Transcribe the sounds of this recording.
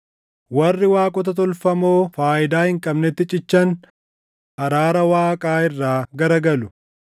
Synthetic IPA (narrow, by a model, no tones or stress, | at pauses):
wɐrːɪwaːkʼɔt̪̬ɐt̪̬ɔlfɐmoːfaːɪd̪aːhɪŋkʼɐbnɛt̪ːɪt͡ʃʼɪt͡ʃːɐn | hɐɾaːɾɐwaːkʼaːɪrːaːɡɐɾɐɡɐlʊ